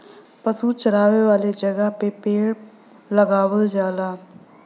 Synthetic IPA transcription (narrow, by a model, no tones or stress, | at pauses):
pəsuːt͡ʃəɾaːʋeːʋaːleːd͡ʒəɡaːpepeːɽ | ləɡaːʋəld͡ʒaːlaː